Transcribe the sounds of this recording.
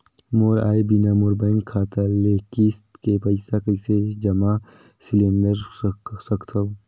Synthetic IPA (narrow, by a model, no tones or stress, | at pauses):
moːɾa̰ːebinamuɾbəŋɡkʰaːt̪alekist̪kepɐɪsakəɪsed͡ʒɐma | silẽɳɖəɾsɐkt̪ʰɐ